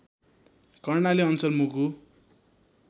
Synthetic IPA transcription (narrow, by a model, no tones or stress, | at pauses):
kʌrnaliʌnt͡sʌlmuku